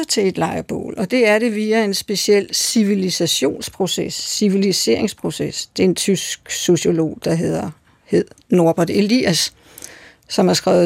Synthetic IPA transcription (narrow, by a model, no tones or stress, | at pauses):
ɐt͡sʰe̝e̝d̥lɑ̈ɪɐb̥o̰ːlɒ̽d̥e̝æɐɾ̥e̝ʋiːæe̝nsb̥e̝siel̰siʋilisæɕo̝̰ːnspʰʁo̝sesːiʋilise̝̰ːɐeŋspʰʁo̝sesd̥e̝e̝nt͡sʰysɡ̥so̝ɕo̝lo̝̰ːd̥ɑ̈ɦe̝ð̰ˠɐ | he̝ð̰ˠno̝ɐb̥ɐde̝lḭæsː | ɒ̽mæɐsɡ̥ʁɛ̰ːʊ